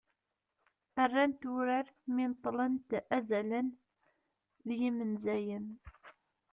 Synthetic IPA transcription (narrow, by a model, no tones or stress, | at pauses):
ərːænt̪uɾəɾmɪnt̪ˤːlənt̪ʔæzælən | ðjimənzæjən